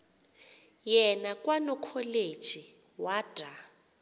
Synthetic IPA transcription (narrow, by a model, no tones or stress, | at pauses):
jɛnakʼwanɔkʰɔled̥ʒ̥ʱi | wad̥ʱa